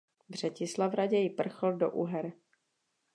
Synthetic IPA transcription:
vr̝̥ɛcɪslavɾaɟɛjɪpr̩xl̩do̰ʔuɦɛɾ

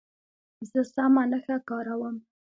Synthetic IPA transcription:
zəsamanəxakɑɾawəm

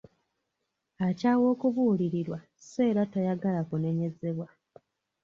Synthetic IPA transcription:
acaːwo̞ːkuvuːliɾiɾwa | se̞ːɾatajaɡalakune̞ɲe̞ze̞βwa

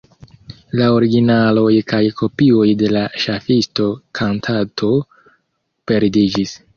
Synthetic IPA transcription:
lao̞ɾiɡinalo̞jkajkʰo̞pio̞jde̞laʃafisto̞kʰantʰatʰo̞ | pe̞ɾdid͡ʒis

